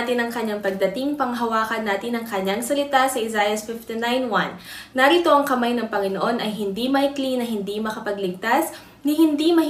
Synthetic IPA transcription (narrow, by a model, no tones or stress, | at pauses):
t̪ɪnɐŋkɐɲːaŋpɐɡ̚d̪ɐt̪iŋpɐŋɦɐwaːkɐnːaːt̪ɪnɐŋkɐɲːaŋsɐlɪt̪asɐʔɪzajɐsfɪft̪inajnwanːɐɾit̪o̞ʔɐŋkɐmajnɐŋpɐŋɪnoʔo̞nʔɐjɦɪnd̪imɐɪklinɐɦɪnd̪imɐkɐpɐɡlɪɡ̚t̪as | nɪhɪnd̪imɐh